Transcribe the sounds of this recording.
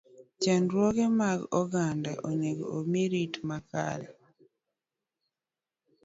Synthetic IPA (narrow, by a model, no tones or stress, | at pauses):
t͡ʃanɾwɔɡɛmaɡɔɡandaʔoɲeɡo̰omiɾitmaka̰ɾɛ̰